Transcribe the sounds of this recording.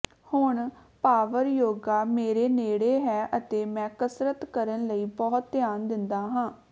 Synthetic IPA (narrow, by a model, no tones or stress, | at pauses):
hʊɳ | paːʋəɾjoːɡaːmeːɾeːneːɽeːɦɛːʔət̪eːmɛ̃ːkəsɾət̪kəɾənləiːbɔːt̪̚ːjaːnd̪ɪnd̪aːɦãː